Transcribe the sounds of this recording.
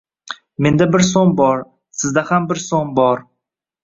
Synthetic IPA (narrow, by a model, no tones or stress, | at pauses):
me̞nd̪abɪɾs̬onbɒɾ | sɪzd̪ahambɪɾsonbɒɾ